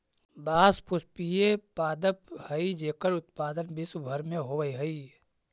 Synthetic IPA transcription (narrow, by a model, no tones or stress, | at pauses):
baːspʊspijepaːd̪əphəid͡ʒeːkəɾʊt̪̚paːd̪ənbɪsbʱəɾmẽɦoːʋəiɦəi